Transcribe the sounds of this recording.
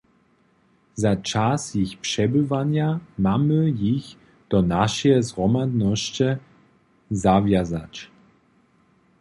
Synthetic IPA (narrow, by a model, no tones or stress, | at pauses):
zat͡ʃasjɪxpʂɛbəvanjamaməjɪç | d̥ɔnaʃɛɛzʁɔmadnɔɕt͡ʃɛ | zavjazat͡ɕ